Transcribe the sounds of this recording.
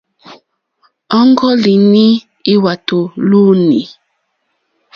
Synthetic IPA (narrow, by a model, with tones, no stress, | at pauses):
ɔ˦ŋ˦ɡɔ˦li˨ni˦ | i˦wa˨tu˨lu˦ni˨